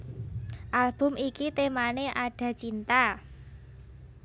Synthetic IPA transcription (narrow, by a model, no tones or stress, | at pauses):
ʔalb̥ʊ̤mikit̪emaneʔaɖ̥ä̤t͡ʃint̪a